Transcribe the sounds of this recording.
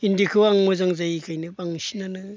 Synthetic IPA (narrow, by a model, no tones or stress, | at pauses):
indikʰɯwaŋmɔzaŋzajikʰajnɯbaŋsinanɯ